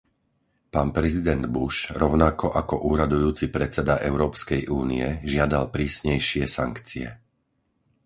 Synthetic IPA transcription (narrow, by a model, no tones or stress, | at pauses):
paːnpɾɛzid̪ɛnd̪buʃɾɔʊnakɔʔakɔʔuːɾad̪ujuːt͡sipɾɛt͡sɛd̪aʔɛʊɾɔːpskɛjʔuːniɛʒɪad̪alpɾiːsɲɛjʃɪɛsaŋkt͡siɛ̰